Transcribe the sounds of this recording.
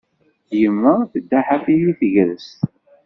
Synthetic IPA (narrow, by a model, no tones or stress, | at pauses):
jəmːæθəd̪ːaħafiliθəʝɾəst̪